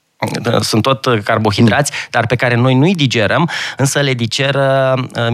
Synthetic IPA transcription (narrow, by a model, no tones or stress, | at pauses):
sunt̪ːo̞t̪karbo̞xid̪ɾat̪sʲd̪̥arpe̞kaɾe̞no̞jnujd̪id͡ʒe̞ɾəmɨnsəle̞d̪id͡ʒe̞ɾə